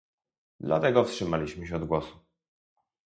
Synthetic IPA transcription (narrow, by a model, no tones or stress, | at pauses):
d̪la̰t̪ɛɡɔfstʂɘmalʲiɕmɘɕɛɔd̪ɡwɔsu̥